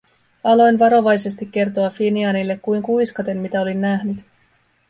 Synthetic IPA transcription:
ɑlo̞jnʋɑɾo̞ʋɑjse̞st̪ikʲːe̞rt̪o̞ɑfiniɑnilːe̞kkːujŋkujskɑt̪e̞mmit̪æo̞linːæɦnyt̪

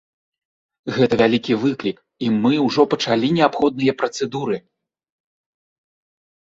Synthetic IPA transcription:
ɣɛt̪ɐvʲalʲikʲivɨklʲik | imɨwʐɔpɐt͡ʂalʲinʲɛapxɔd̪̚nɨjɐpɾɐt̪sɛd̪uɾɨ

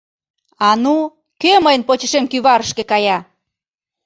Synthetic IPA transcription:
ɑnu | køməjənpot͡ɕəʃemkyβɑɾəʃkekɑjɑ

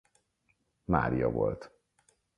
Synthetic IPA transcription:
ma̰ːɾijɒvo̞lt̪

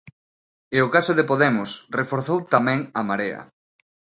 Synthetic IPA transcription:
eokasʊðɪpoðɛmʊsrefoɾθowt̪amɛ̃ŋamaɾeɐ̰

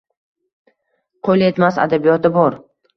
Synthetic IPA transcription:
qʰojlae̞t̪masa̰d̪abijɒt̪ɪbɒɾ

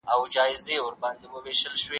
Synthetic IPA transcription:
awd͡ʒɑːjzewəɾbɑnd̪ewəweʃəlʃwe

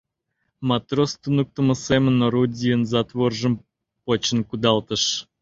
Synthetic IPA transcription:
mɑt̪rost̪unuk̚t̪ə̆mə̆semə̆noɾudʲijənzɑt̪ʋorʒə̆m | pot͡ɕə̆nkud̪ɑlˠt̪ə̆ʃ

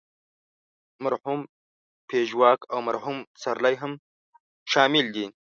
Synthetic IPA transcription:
maɾhum | pʰeʒwɑːkawmaɾhumsaɾlajɦəm | ʃɑːmɪld̪i

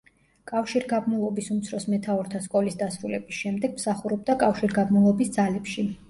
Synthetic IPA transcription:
kʼafʃiɾɡabmulˠɔbisumt̪sʰɾɔsmɛt̪ʰaɔɾt̪ʰaskʼɔlisd̪asɾulɛbisʃɛmd̪ɛɡ̥msaχuɾɔb̚d̪akʼafʃiɾɡabmulˠɔbisd̪zalɛpʃi

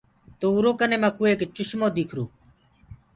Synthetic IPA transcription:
t̪oːuːɾoːkəneːmãːkuːeːkt͡ʃʊʃmoːd̪iːkʰɾuː

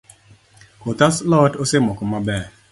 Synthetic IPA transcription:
kotaslɔtosɪmɔkɔmabɛ

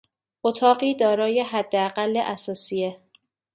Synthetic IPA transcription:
ʔot̪ʰɒːɢiːd̪ɒːɾɒːje̞ɦæd̪ːeæɢælːeʔæsɒːsije

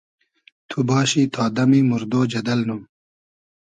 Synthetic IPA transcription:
t̪ʰubɑːɕit̪ʰɑːd̪ɐmimuɾd̪oːd͡ʑɐd̪ɐlnum

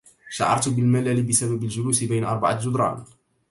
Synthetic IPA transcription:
ʃaʕɑ̰ɾˤt̪bɪlmalaːlɪbɪsababald͡ʒʊluːsɪbajnaʔɑ̰ɾˤbaʕad͡ʒʊd̪ɾˤɑ̰ːn

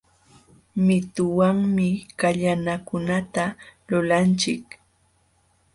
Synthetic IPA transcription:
mɪt̪ʊwaŋmɪkaʎanakʊnat̪alʊlant͡ʃɪk

